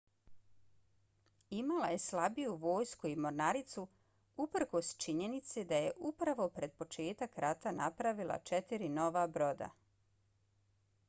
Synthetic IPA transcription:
imalaje̞slabijuʋo̞ːjskuimo̞ɾnaɾit̪su | upr̩ko̞st͡ʃiɲe̞nit̪sed̪aje̞ʔupɾaʋo̞pɾe̞d̪̚po̞t͡ʃe̞ːt̪akɾat̪anapɾaʋilˠa̰t͡ʃet̪iɾino̞ʋabɾo̞d̪a̰

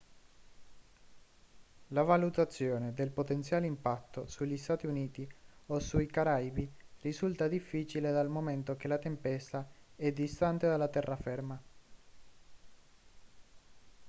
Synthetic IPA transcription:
lavalut̪at̪sːjoːned̪elpot̪ent̪sjaːleimpat̪ːosuʎːist̪aːt̪iuniːt̪iosuikaɾajbirizult̪ad̪ifːiːt͡ʃiled̪almoment̪ok̟elat̪empɛst̪aɛd̪ist̪ant̪ed̪alːat̪ɛrːafɛrma

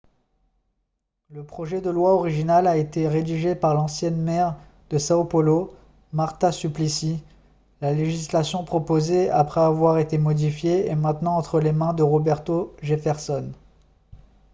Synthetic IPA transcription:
ləpχɔʒɛd̪əlwaɔʁiʒinalaet̪eʁed̪iʒepaʁlɑ̃sjɛnmɛʁ | d̪əsaopɔlo | maʁt̪asyplisi | laleʒislasjɔ̃pχɔpozeapχɛavwaʁet̪emɔd̪ifjeːmɛ̃t̪nɑ̃ːt̪χəlemɛ̃d̪əʁɔbɛʁt̪oʒefɛʁsɔn

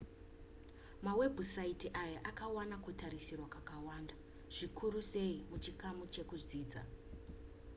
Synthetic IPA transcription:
mawe̞bʱusaitiʔajaʔakawanakutaɾisirwakwakawaːnda | ʐ̥ikʰuɾuse̞imut͡ʃikamut͡ʃe̞kuziːd͡za̰

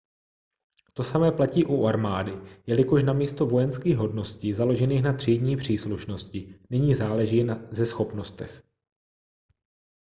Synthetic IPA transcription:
t̪o̞samɛːplaciːʔuʔaɾmaːdɪjɛlɪko̞ʃnamiːst̪o̞vo̞jɛnskiːɣɦo̞dno̞scizalo̞ʒɛniːxnat̪r̥iːdɲiːpr̝̥iːsluʃno̞scɪnɪɲiːzaːlɛʒiːzɛsxo̞pno̞st̪ɛx

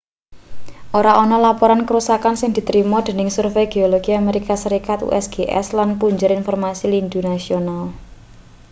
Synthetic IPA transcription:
ʔoɾaʔɔnɔlapɔɾankəɾusakansɪŋd̪̥i̤t̪ɾimɔd̪̥e̤nɪŋsurfejɡ̥e̤oloɡ̥iameɾikasəɾikat̪ṵʔɛsɡ̥eʔɛ̰slanpuɲd͡ʒʊɾinfɔrmasilind̪unasional

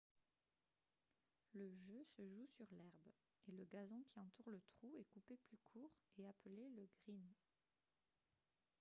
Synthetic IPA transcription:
ləʒøsəʒusyʁlɛʁb | eləɡazɔ̃kʲiɑ̃t̪uʁlət̪χuɛkupeplykʰuːʁeapəleləɡʁin

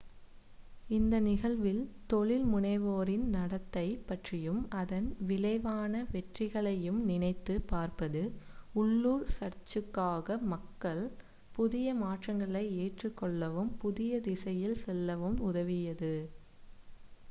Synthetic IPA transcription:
ɪnd̪ɐnɪɣɐɭʋɪlt̪ɔɭɪlmʊɳɐɪʋoːɾɪnnɐɽɐt̪ːɐɪpɐʈrɪjɯmɐðɐnʋɪlɐɪʋaːnɐʋɛʈrɪɣɐɭɐjɯmnɪnɐɪt̪ːɯpaːɾpɐðɯʊɭːuːɾsɐɾt͡ʃɯkːaːɣɐmɐkːɐɭ | pʊðɪjɐmaːʈrɐŋɡɐɭɐɪeːʈrɯkːɔɭːɐʋɯmpʊðɪjɐd̪ɪsɐjɪlsɛlːɐʋɯmʊðɐʋɪjɐðɯ

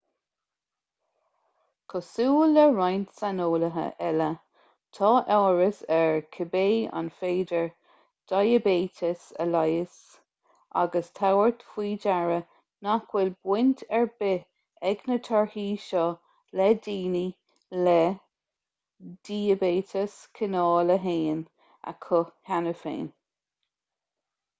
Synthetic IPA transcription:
kʰɔsuːlːəɹajnt̪sanoːləɦə̰ʔɛlə | t̪ʰɑːʔɛːɹəsɛɹkʰɪbeːa̰nfeːdəɹ | d̥ajəbeːt̪ʰəsə̰lajəs | ʔa̰ɡəst̪ʰawəɹt̪fwiːd͡ʒaɹə | nakʰwɪlbwɪntʰɛɹbɪ | ɛɡnət̪ʰɔɹhiːʃɔ | lɛdiːni | lɛ | d̥iːəbeːtʰəskʰɪnɑːləɦeːn | ə̰kʰʊhanəfḛːn

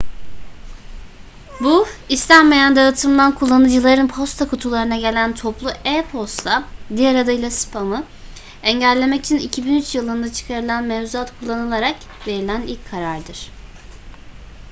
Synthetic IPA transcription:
buist̪ʰænmejand̪aɯt̪ʰɯmlˠankʰulˠːanɯd͡ʒɯlˠaɾɯnpʰo̞st̪ʰakʰut̪ʰulˠaɾɯnaɟe̞lʲænt̪ʰoplˠuʔɛpʰo̞st̪ad̪iaɾad̪ɯjlʲˠasɯ̥pʰamɯ | ɛɲɟælʲːe̞mɛci̥t͡ʃʰinicʰibinyt͡ʃjɯlˠɯnd̪at͡ʃʰɯ̥kʰaɾɯlˠanmɛvzuat̪kʰulˠːanɯlˠaɾak | ve̞ɾilʲænilʲcʰːaɾaɾd̪ɯɾ̥

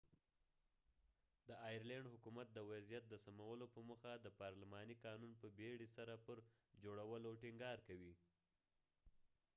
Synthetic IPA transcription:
d̪əɑjaɾlaɳɖhʊkumat̪̚d̪əwazjat̪̚d̪əsamawəlopəməxad̪əpɑɾlɪmɑnikɑnunpəbeɽisaɾapəɾ | d͡ʒoɽawəloʈɪŋɡɑɾkawi

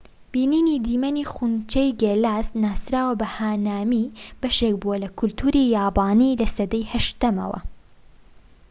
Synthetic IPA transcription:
b̥iːniːnid̪iːmɐniːxunt͡ʃejɡelaːsnaːsɾaːwɐbɐhaːnaːmib̥ɐʃekbuwɐlɐkʰʊlt̪ʰuɾijaːbaːnilɐsɐd̪ɐjhɐʃt̪ɐmɐ̰wɐ̰

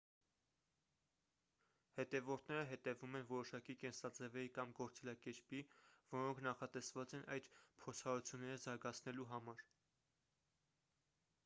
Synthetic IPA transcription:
hɛt̪ɛvɔɾt̪ʰnɛɾəɦɛt̪ɛvumɛnvɔɾɔʃɑkikɛnsɑd͡zɛvɛɾikɑmɡɔɾt͡sɛlɑkɛɾpivɔɾɔŋkʰnɑχɑt̪ɛsvɑt͡sɛnʔɑjd̪pʰɔɾt͡sʰɑɾut͡sʰjunːɛɾəzɑɾɡɑt͡sʰnɛluɦɑmɑɾ

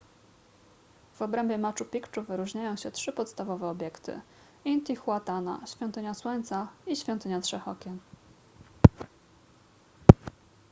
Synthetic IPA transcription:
vɔbɾɛmbʲjɛmat͡ʂupʲikt͡ʂuvɘɾuʐɲajɔ̃w̃ɕɛtʂɘpɔt̪st̪avɔvɛɔbʲjɛkt̪ɘ̰ | int̪ixwat̪ana̰ɕfʲjɔ̃nt̪ɘɲaswɔɲʲt̪saiɕfʲɔnt̪ɘɲatʂɛxɔkʲɛn

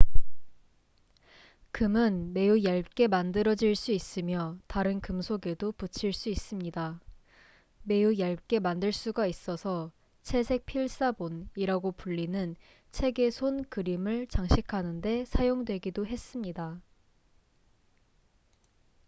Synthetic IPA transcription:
kɯmɯnme̞ujaɭk͈e̞mandɯɾʌd͡ʑiɭs͈uis͈ɯmjʌtaɾɯnkɯmsʰoɡe̞doput͡ɕʰiɭs͈uis͈ɯmɲida | me̞ujaɭk͈e̞mandɯɭs͈uɡais͈ʌsʰʌ | t͡ɕʰe̞sʰe̞k̚pʰiɭs͈aboniɾaɡopuʎːinɯn | t͡ɕʰe̞ɡe̞sʰonkɯɾimɯɭt͡ɕaŋɕʰikʰanɯnde̞sʰajoŋdwe̞ɡidoɦe̞s͈ɯmɲida

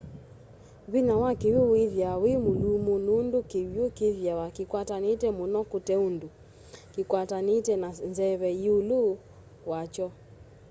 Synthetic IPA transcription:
βinawakewoweðjawemolumonondokewjokeðjawakikwatanetɛmonɔkotɛondo | kekwatanetɛnanzɛβɛjiolo | wat͡ʃɔ

